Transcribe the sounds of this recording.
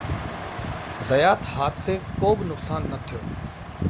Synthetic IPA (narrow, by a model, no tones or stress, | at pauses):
zɐjaːt̪haːt̪ʰsekoːbnʊqsaːnːɐt̪ʰijoː